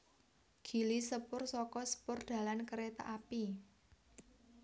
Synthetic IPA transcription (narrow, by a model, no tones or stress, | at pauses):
ɡ̥i̤lisəpʊrsɔkɔsə̥pʊrd̪̥a̤lankəɾet̪a̰ʔapi